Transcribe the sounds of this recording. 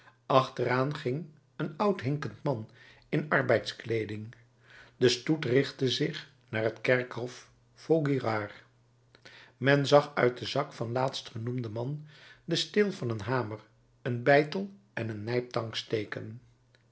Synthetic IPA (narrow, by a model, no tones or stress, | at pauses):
ʔɑχtəraːnχɪŋ | ənʌwtɦɪŋkəntmɑn | ɪnɑɹbɛjtsklejdɪŋ | dəstutrɪχtəzɪχ | naːɹɦətkɛɹkɦɔf | foɡirɑːr | mɛnzɑχœ̰ɥt̚dəzɑkfɑnlaːtstχənumdəmɑndəstɪlˠvɑnənɦaːmər | ənbɛjtəlˠʔɛnənːɛjp̚tɑŋkstejkə̰n